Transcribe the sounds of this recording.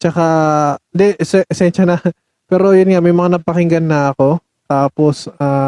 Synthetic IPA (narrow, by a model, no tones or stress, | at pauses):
t͡ʃɐkaɪnd̪ɛʔɛsɛʔɛsɛnʃɐnɐ | pɛːɾo̞jʊnŋamɐjmɐŋanɐpɐkɪŋɡɐnːɐʔɐko̞ | t̪aːposaː